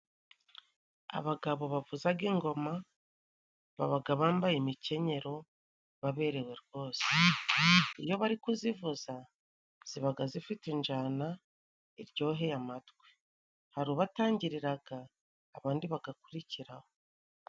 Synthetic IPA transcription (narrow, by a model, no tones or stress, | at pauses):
a̰βaɡaβo̞βavuzaɡiːŋɡo̞ma | βaβaɡaβaːmbajimice̞ɲe̞ɾo̞ | βaβe̞ːɾe̞we̞ɾɡo̞ːse̥ | ijo̞βaɾikuzivuza | z̥iβaɡazifitend͡ʒana | iɾɟo̞ːɦe̞jamatɡwe̥ | haɾuβataːɲɟiɾiɾaɡaː | βaːndiβaɡakuɾiciɾaho